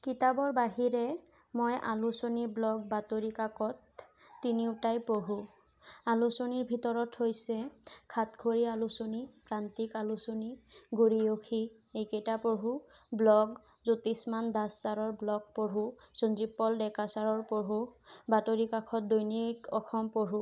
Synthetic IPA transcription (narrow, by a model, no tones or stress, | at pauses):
kitabɔɹbaɦiɹɛ | mojʔa̰lusoniblɔɡ̚batoɹikakʰɔtː | iniʊtajpoɦu | alusoniɹbʱitɔɹɔthojsɛkʰatɡʰʱoɹialusonipɹantikalusoniɡuɹijokʰi | ejkejtapoɦu | blɔɡ | zutismandasːaɹɔɹblɔk̚poɹusonzipːɔldɛkasaɹɔɹpoɦubatoɹikakʰɔt̚dojnikɔkʰɔmpoɹu